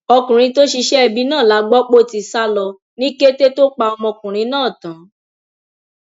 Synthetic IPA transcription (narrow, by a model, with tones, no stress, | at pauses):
ɔ˧kũ˨ɾ̃ĩ˧˦to˦ʃi˧ʃɛ˦ɛ˧bi˨˦nãː˦˨la˨˦ɡ͡bɔ˦k͡po˦˨ti˨sa˦lɔ˧ | nĩ˦ke˦te˦to˦k͡pa˧ɔ˧mɔ̃˧kũ˨ɾ̃ĩ˨˧˦nãː˦˨tã˨˦